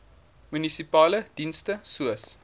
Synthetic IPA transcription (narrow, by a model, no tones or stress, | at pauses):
mynisipɑːləd̥instəsuəs